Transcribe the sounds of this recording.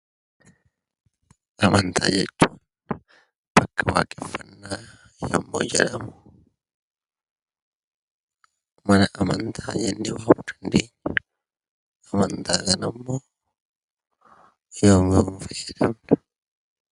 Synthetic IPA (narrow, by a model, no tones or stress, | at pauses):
ʔɐmɐnt̪ʰa̰ːd͡ʒɛt͡ʃːuːn | b̥ɐkːɐwa̰ːkʼɛfːɐnːaː | jɐ̰mːo̰ːd͡ʒɛ̰lɐmʊ | mɐnɐʔɐmɐnt̪ʰaːd͡ʒɛnːɛwaːʊd̪ɐnd̪eːɲːɐ | ɐmɐnt̪ʰaːkɐnɐmːoː | joːmɪʊnfɐjːɐd̪ɐmnɐ